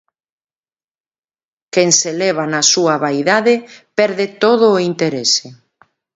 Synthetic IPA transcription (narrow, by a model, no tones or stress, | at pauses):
keŋselɛβ̞anɐsuɐβajðaðɪpɛɾðet̪oðʊːint̪eɾese